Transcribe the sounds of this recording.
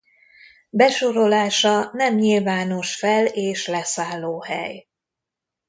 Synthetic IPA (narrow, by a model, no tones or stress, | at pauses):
bɛʃoɾo̞laːʃɒnɛmɲilvaːno̞ʃfɛleːʃlɛsaːlːoːhɛ̰j